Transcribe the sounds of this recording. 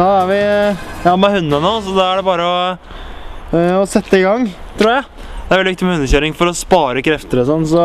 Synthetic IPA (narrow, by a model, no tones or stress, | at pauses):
ɑæɾʋɪjɑːmhʉnːənɔːsɔd̪ɑæɖɛbɑːɾəɔ | ɔsɛt̪ːəɪɡɑŋːt̪ʰɾuːɾjæɪ | d̪ɛæɾʋɛlːɪɪkt̪ɪmɛhʉnːəçøːɾɪŋfɔɾɔspɑːɾəkʰɾɛft̪əɾsɔnːsɔ